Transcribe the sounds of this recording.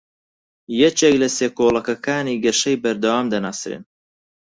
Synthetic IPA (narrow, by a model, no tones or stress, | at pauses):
jɛt͡ʃeːklɐseːkoːlˠɐkɐkʰaːniːɡɐʃɐjbɐɾd̪ɐwaːmd̪ɐnaːsɾḛn